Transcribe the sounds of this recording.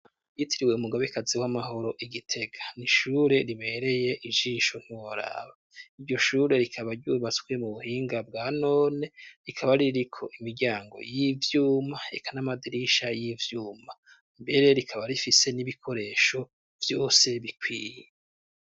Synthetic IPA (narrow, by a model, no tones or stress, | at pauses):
jitʰiɾiwe̞umuɡaβekaziwamaɦo̞ɾo̞ʔiɡitʰe̞ɡḁniʃuːɾe̞ɾiβe̞ɾe̞je̞ʔiʒiːʃon̥huwoɾa̰ːβa | iɾɟo̞ʃuːɾe̞ɾikʰaβaɾɟuːβat͡sɡwemuβuhiːŋɡabɡaːno̞ːne̞ɾikʰaβaɾiɾiɾikʰo̞̰ʔimiɾɟaːŋɡo̞̰jivjuːmae̞kʰanamadiɾiʃajivjuːma | mbe̞ɾe̞ɾikʰaβaɾifise̞niβikʰo̞ɾe̞ːʃo̞ | vjo̞ːse̞βikwiːje